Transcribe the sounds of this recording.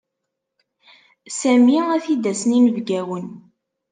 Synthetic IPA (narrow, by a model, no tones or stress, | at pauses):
sæmiæθid̪æsninəvɡæwən